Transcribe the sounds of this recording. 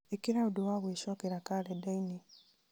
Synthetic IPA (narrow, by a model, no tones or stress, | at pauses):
ekiɾaudowaβweːʃɔkeɾakaledaini